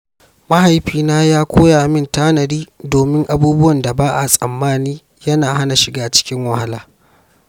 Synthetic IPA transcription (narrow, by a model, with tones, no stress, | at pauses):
ma˦ɦa˨jɸiː˨naː˦jaː˦kʷoː˦jaː˨mɪ˦ntaː˦nɐ˨ɾiː˦doː˨mɪ˦ŋʔa˨buː˦bʊ˦wɐ˨nda˨baː˦ʔa˨sʼɐ̰˨mːaː˦niː˦ | jɐ˦naː˨ɦa˦na˨ʃɪ˨ɡaː˦t͡ʃɪ̥˦kʲɪ˦ŋwɐ˨ha˦la̰ː˨